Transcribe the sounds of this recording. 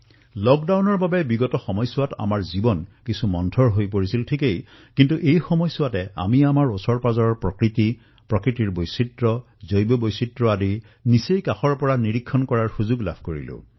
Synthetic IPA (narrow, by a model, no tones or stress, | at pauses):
lɔk̚dawnɔɹbabɛbiɡɔtɔxɔmɔjsʊwata̰maɹzibɔnkisumɔntʰɔɹɦojpoɹisiltʰikej | kintuʔejxɔmɔjsʊwatɛa̰miamaɹɔsɔɹpazɔɹɔɹpɹɔkɹiti | pɹɔkɹitiɹbojsitɹɔ | zojbɔbojsitɹɔadi | nisejkaxɔɹpɔɹaniɹikʰːɔnkɔɹaɹxuzuɡla̰bʱkoɹḭlʊ̰̃